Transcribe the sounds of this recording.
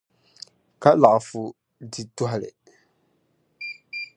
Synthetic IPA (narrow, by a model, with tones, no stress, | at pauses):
ka˦la˨ʔfu˨ | di˨tu˦ɦa˨lḛ˨